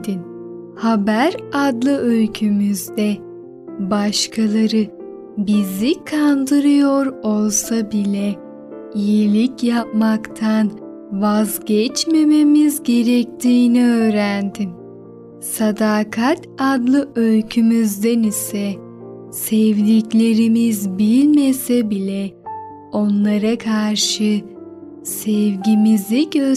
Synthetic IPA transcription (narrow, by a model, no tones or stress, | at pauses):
d̪in | habæɾad̪lˠɯølʲcʰymyzd̪ɛ | baʃkʰalˠaɾɯ | bizikʰand̪ɯɾɯjo̞ɾo̞lˠsabilʲɛ | ijilʲicjap̚makt̪ʰan | vazɟɛt͡ʃme̞me̞mizɟe̞ɾɛc̚t̪ʰiːniøːɾænd̪im | sad̪aːkʰat̪ad̪lˠɯʔølʲcʰymyzd̪ænisɛ | sɛvd̪iclʲe̞ɾimizbilʲmesɛbilʲɛ | o̞nlˠaɾakʰaɾʃɯ | sɛvɟimiziɟø